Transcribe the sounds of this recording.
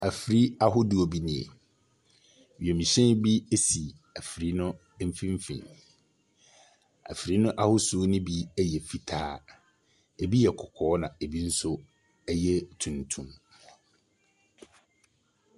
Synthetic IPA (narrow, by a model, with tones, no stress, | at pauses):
æ˨fi˨ɾi˦a˦ɦʊ˦dɪ˦o˨bi˦nɪ̃˦ḛ˨ | wɥi˨ɛ˨mĩ˨ɕɛ̃˦nbi˦e˦si˨ | æ˨fɾi˦nʊ̃˦ | m̩˦fĩ˦m˦fḭ̃˨n | æ̰˨fɾi˦nʊ̃˦ʔa˦hʊ˦su˨˦nɪ̃˦bi˦ɛ˦jɛ˨fi˨tʰaː˦ | e˨bi˦jɛ˨kʰɔ˨kʰɔː˨˦nã˨e˨bi˦n̩˦sʊ˦ | ɛ˦jɛ˦tʰũ˨ntʰũ˦m